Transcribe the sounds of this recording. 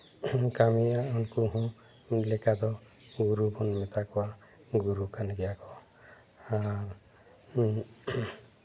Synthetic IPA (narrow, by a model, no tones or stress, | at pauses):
kamiaɔnkuɦɔ̃ | lɛkad̪ɔ | ɡuɾubɔnmɛt̪akɔwa | ɡuɾukʰanɡɛjakɔ | aɾ